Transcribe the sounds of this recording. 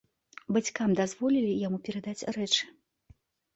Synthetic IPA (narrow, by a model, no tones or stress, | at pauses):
bat͡sʲkamd̪azvɔlʲilʲijamupʲɛɾad̪at͡sʲrɛt͡ʂɨ̥